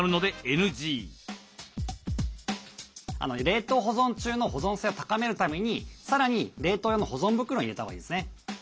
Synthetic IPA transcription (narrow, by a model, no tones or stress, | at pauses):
ɾɯ̟no̞d̪e̞enɯ̟ʑiː | a̰noɾe̞ːt̪o̞ːɦo̞zõɲt͡ɕɨːno̞ɦo̞zõ̞ɰ̃se̞o̞t̪ḁkame̞ɾɯ̟t̪ame̞ɲ̟isaɾaɲ̟iɾe̞ːt̪o̞ːjoːno̞ho̞zõ̞mbɯ̟kɯɾo̞ɲiɾe̞t̪aβa̰ḭd̪esɨne̞